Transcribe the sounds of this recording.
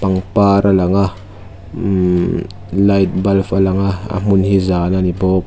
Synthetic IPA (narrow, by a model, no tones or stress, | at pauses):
pɐŋpaɾʔalɐŋah | lajt̪̚balfɐlɐŋaa̰munhizaːnanibop̚